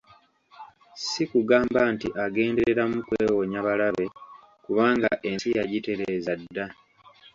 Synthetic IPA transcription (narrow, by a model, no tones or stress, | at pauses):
sikuɡaːmbantḭʔaɡe̞ːndeɾe̞ɾamukweːwo̞ɲaβalaβe̞ | kuβaːŋɡa̰ʔe̞nsijaɟite̞ɾeːzadːa